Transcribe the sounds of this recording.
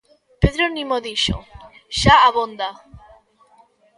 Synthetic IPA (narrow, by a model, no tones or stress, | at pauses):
peðɾonimoðiʃo̰ | ʃaaβond̪a